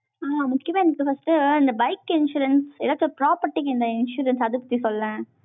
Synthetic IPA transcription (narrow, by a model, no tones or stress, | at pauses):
aːmʊkːɪjɐmãːɛnɐkːɯfɐsʈɯɪnd̪ɐbɐɪkːɪnʃuːɾɐnsɛlat͡ʃːɾpɾaːpɐɾʈːikɪnd̪ɐɪnʃuːɾɐnsɐðɯpɐt̪ːisɔlːɛ̃